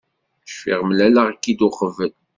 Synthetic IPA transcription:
ʃfḭʁmlælaʁkːid̪uχəvːəl

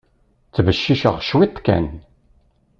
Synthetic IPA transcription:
t͡sːvəʃːiʃə̰ʁʃwit̪ˤːkæ̰n

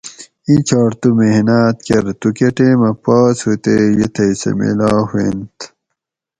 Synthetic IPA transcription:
ĩt͡ɕʰaːɾt̪umeɦnaːt̪kɐɾt̪ukeʈeːmɐpaːshut̪ejet̪ʰɐisḛmḛlaːhwḛnt̪

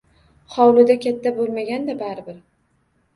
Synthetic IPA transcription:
χɒwlɪd̪akʲʰat̪ʰːabolˠmaɡʲand̪abaɾɪbɪɾ

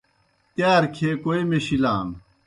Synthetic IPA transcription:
t̪jaːɾkʰeːkoemeɕilaːm

